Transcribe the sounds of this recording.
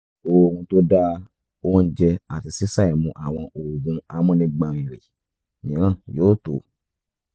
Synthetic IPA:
o˧˨kũ˧to˦da˦ | o˦n̩˦d͡ʒɛ˧a˨ti˧si˦sa˦˨ɛ˨mũ˧ʔa˨w̃ɔ̃˧ʔo˨ɡũ˧a˧mɔ̃˦nĩ˧˦ɡ͡bã˨˧˨ĩ˨ɾe˨ | nĩ˨˦ɾ̃ã˦˨joː˦˨to˨

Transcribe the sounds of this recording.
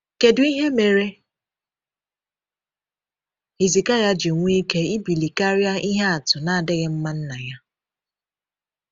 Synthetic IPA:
ke˨dʊ˨i˦ɦe˦me˨ɾe˦ | i˨zi˨ka˦ja˦d͡ʒɪ˨ŋʷ˦i˦ke˦i˦bi˨li˨ka˦ɾja˦i˦ɦe˦a˨tʊ˨na˨a˨dɪ˦ɣɪ˦m̩˦ma˦n̩˦na˨ja˦

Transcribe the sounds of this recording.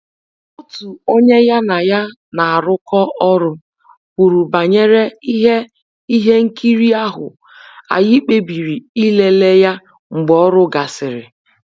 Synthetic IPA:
ɔ˦tu˨o˦ɲe˦ja˦na˨ja˦ | na˨a˨ɾʊ˦kɔ˦ʔɔ˦ɾʊ˦ | ku˨ɾu˨ba˨ɲe˦ɾe˦i˦ɦe˦ | i˦ɦe˦ŋ̩˦ki˦ɾi˦a˦ɦʊ̰˨ | a̰˨jɪ˦k͡pe˦bi˨ɾi˨i˦le˦le˦ja˦ | ŋ͡m̩˨ɡ͡bɔ˦ɾʊ˦ɡa˨sɪ˨ɾɪ̰˨

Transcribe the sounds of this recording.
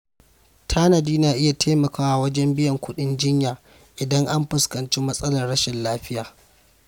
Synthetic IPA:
tʰaː˦nɐ˨diː˦naː˨ʔɪ˦ja˨tʰeː˦mɐ˨kaː˦wa˦wɐ˦d͡ʒɛ˦mbɪ˦jɐ˨ŋkʷʊ˦ɗɪ˦nd͡ʒɪ˦ɲjaː˨ | ʔɪ˨dɐ˦ŋʔa˦mɸɪ˨skɐ˨nt͡ʃi˦mɐ˦sʼɐ˦lɐ˨rɽɐ˦ʃɛ˨nlaː˦ɸɪ˦jaː˨

